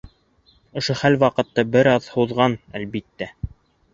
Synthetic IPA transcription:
ŏʃoχælwɑqɤ̆t̪ːɑbɘɾɑðhuðʁɑnælβit̪ːæ

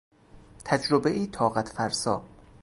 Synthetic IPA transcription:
t̪ʰæd͡ʒɾobeʔiːt̪ʰɒːɣæt̪ʰfæɾsɒː

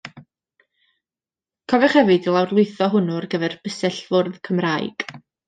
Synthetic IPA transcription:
kʰɔvɛχhɛvɨdilˠawrlˠʊɨθɔɦʊnʊrɡəðɛrb̥əsɛɬvʊrðkʰəmraːjɡ̥

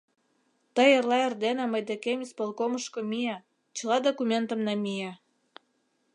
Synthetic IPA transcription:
t̪əjerlɑerd̪enɑməjd̪ekemʲispolkoməʃkomijɑ | t͡ɕə̆lɑd̪okumʲent̪ə̆mnɑmijɑ

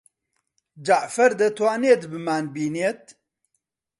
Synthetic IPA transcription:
d͡ʒaʕfɐɾd̪ɐt̪ʰwaːneːt̪bɨmaːnbiːneːt̪̚

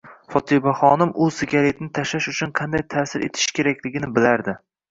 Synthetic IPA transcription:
fɒt̪ʰɪbaχɒnɪmʔʊsɪkʲaɾe̞t̪ʰnɪt̪ʰaʃaʃʊt͡ʃʰʊnqʰɑnd̪ajt̪ʰaːsɪɾʔe̞̰t̪ʰɪ̥ʃkʲʰe̞ɾakʲlɪɡʲɪnɪbɪlaɾd̪ɪ

